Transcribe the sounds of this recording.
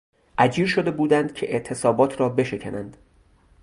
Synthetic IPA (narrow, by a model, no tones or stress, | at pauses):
ʔæd͡ʒiːɾʃo̞d̪e̞buːd̪ænd̪̥cʰe̞ʔeʔt̪ʰe̞sɒːbɒːt̪ʰɾɒːbe̞ʃe̞cʰænænd̪̥